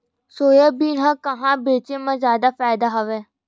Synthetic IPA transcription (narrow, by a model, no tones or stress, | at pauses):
soːjaːbiːnãːkəɦãːbeːt͡ʃeːmãzjaːd̪aːfaːɪd̪aːɦəʋeː